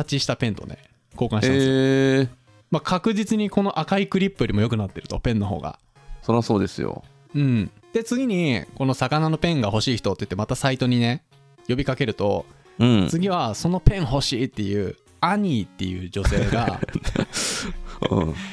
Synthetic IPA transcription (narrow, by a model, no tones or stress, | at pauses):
at͡ɕiɕi̥t̪apẽ̞nt̪o̞̰ne̞̰ | ko̞ːkãɕiems | makʰakɯ̟ʑit͡sɨɲ̟iko̞no̞ʔakaikɯ̟ɾʲipːɯjo̞ɾʲimo̞jo̞kɯ̟nat̪ːe̞ɾɯ̟t̪o̞pẽ̞nːo̞ɦo̞̰ːɡa̰ | soɾeβaso̞ːd̪e̞sɨjo̰ | ɯ̟̃ɴd̪̥e̞t͡sɨɡʲiɲ̟iko̞no̞sakanano̞pẽ̞ŋɡaho̞ɕiːçi̥t̪o̞t̪ei̟̥t̪ːemat̪asait̪o̞ɲ̟ine̞ | jo̞bʲikake̞ɾɯ̟t̪o̞̰ | ɯ̃t͡sɨɡʲiβ̞aso̞no̞pẽ̞ɰ̃ɦo̞ɕiːt̪ːe̞jɯ̟ː | aɲ̟iːt̪ːe̞̰jɯ̟̰ːd͡ʑo̞se̞ːɡa | ɯ̰̃ː